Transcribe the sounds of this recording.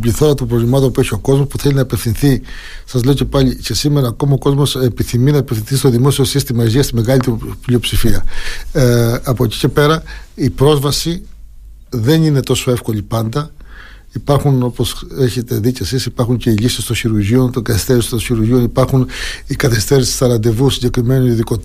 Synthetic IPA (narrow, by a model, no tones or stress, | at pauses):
bliθo̞ɾɐt̪ombɾovlʲimɐt̪o̞npueçio̞ko̞zmospuθelʲinɐipefθĩnθi | sɐzle̞oce̞pɐʎice̞sime̞ɾɐːko̞mɐoko̞zmo̞sepiθiminɐipefθinθist̪o̞ðimo̞sio̞sist̪imɐeʝiɐst̪imeɣɐlit̪pliopsifiɐ | ɐpoci̥ce̞pe̞ɾɐipɾozvɐsi | ðe̞nine̞t̪o̞so̞efko̞ʎipɐnd̪ɐ | ipɐɾxuno̞po̞seçe̞t̪e̞ðicesisipɐɾxuɲce̞iʎisest̪o̞nçiɾuɾʝio̞nt̪oŋɡɐθest̪eɾist̪oçiɾuɾʝio̞nipɐɾxunikɐθest̪eɾist̪i̥sɐɾɐnd̪e̞vusiɲɟe̞kɾime̞noniðiko